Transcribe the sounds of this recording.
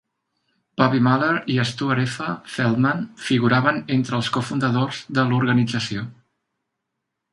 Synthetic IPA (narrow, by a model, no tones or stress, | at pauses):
pɔβimaleɾiəst̪uəɾɛfəfɛlˠmanfiɣuɾaβənent̪ɾəːlˠskufund̪əðozðəluɾɣənid͡zəsio